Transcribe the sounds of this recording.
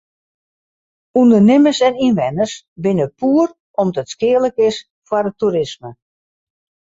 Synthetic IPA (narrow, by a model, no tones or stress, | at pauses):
undənɪməsɛninʋɛnəs | bɪnəpʰuːər | ʔɔmdɔtskɪələkɪs | fwarətuɾɪsmə